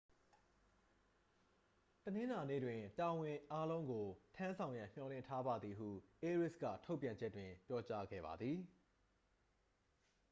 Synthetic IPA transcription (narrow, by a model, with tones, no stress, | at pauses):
tənɪ̃˦na˨nḛ˦˨dwɪ̃˨ta˨wɪ̃˨ʔa˦lõ˦ʊ̃ŋɡo˨tʰã˦nsʰã˨ʊ̃jã̰˦˨m̥jɔ˨lɪ̰̃˦˨ntʰa˦ba˨d̪ði˨ɦṵ˦˨ʔe˦ɹɪ˦˨skä̰˦˨tʰo˦ʊpjã˨ɲd͡ʑɛ˦tːwɪ̃˨pjɔ˦t͡ɕa˦ɡɛ̰˦˨ba̰˨d̪ði˨